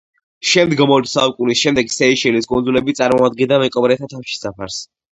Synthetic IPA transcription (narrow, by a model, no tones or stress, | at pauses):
ʃɛmd̪ɡamɔt̪saukʼunisʃɛmd̪ɛɡsɛiʃɛliskʼund̪zulɛbit̪sʼaɾmɔad̪ɡɛnd̪amɛkʼɔbɾɛt̪ʰat̪ʰafʃi̥sapʰaɾs